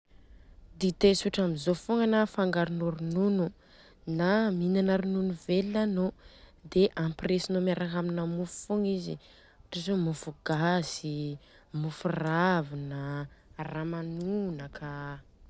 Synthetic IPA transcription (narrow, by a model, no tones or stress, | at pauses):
d̪it̪esuʈ͡ʂamizofuŋənafaŋɡaɾunuɾununu | naminanaɾununuvelinanod̪eʔampresinomaɾaɦaminəmufu̥fuŋizḭ | aʈ͡ʂazomufuɡ̥azi | mufuravinaramanunəkʰa